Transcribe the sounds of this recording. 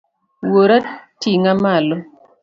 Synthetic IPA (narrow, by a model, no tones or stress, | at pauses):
woɾatiŋamalɔ